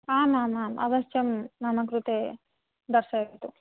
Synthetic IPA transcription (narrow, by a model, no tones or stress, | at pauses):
aːmaːmaːmɐ̰bɐʃt͡ʃɐmnaːmɐkɾut̪e | d̪ɐɾʃɐit̪u